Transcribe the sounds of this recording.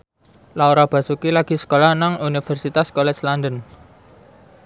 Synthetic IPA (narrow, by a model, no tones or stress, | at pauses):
lauɾab̥ä̤sukilaɡ̥i̤sə̥kolanaŋunifɛrsit̪askɔlɛsland̪ən